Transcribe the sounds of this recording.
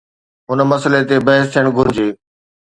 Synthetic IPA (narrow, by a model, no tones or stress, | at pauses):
ɦʊnmɐsəlet̪ebɐɦɪst̪ʰiɪjəɽ̃ɡʱʊɾɪd͡ʑeː